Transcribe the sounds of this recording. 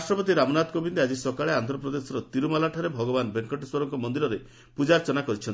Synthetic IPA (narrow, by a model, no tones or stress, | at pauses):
sʈɾɔpɔt̪iɾamɔnad̪kobʱind̪ead͡ʒisɔkaɭeant̪ɾɔpɾɔd̪esɔɾɔt̪iɾumalaʈʰaɾebʱɔɡɔbanbeŋkɔʈiswɔɾɔŋkɔmɔnd̪iɾɔɾe | pud͡ʒaɾt͡ʃɔnakɔɾit͡ʃʰɔn